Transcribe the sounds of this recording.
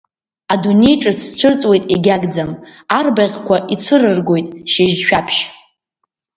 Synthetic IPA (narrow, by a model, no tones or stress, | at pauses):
adune̞jʈ͡ʂʼɨt͡sʰʈ͡ʂʷʰɨrt͡sʼwe̞jtʼiɡʲaɡd͡zamarbaʁʲkʷʰaʔit͡sʷʰɨrɨrɡo̞jtʼʃɪʒʃᶣapʰʃ